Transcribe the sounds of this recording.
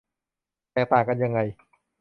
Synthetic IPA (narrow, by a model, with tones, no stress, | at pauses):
t̪ɛː˨˩p̪aː˨˩kːa˧nja˧ŋːa˧j